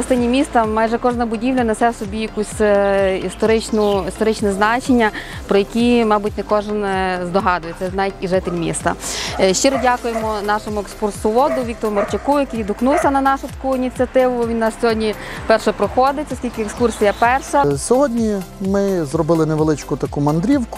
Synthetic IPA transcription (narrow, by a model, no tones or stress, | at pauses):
ɐst̪ɪnʲimʲist̪ɐmɑjʒɛkɔʒnɐbʊdʲiwlʲɐnesɛsɔbʲijɐkusʲist̪ɔɾɪt͡ʃnʊist̪ɔɾɪt͡ʃnɛznɑt͡ʃenʲːɐ | pɾɔjɐkʲimɑbutʲnɛkɔʒɪnzd̪ɔɦɑd̪ʊjet̪sɛznɑʋitʲiʐɪt̪elʲmʲḭst̪ɐ̰ʃt͡ʃiɾɔdʲakʊjemɔnɑʃɔmʊekskursʊʋɔd̪ʊʋʲik̚t̪ɔɾʊmɐrt͡ʃɐkujɐkijd̪ʊknuwsʲɐnɐnɑʃʊt̪ɐ̥kuinʲit͡sʲjɐt̪ɪʋʊʋʲinːɑssʲɔɦɔdʲnʲi | pɛrʃɛpɾɔxɔd̪ɪtʲɔsʲkʲilʲkɪekskursʲijɐpɛrʃɐsʲɔɦɔdʲnʲimɪzrɔbɪlˠɪneʋelˠɪt͡ʃkʊt̪ɐkumɐnd̪ɾʲiwkʊ̥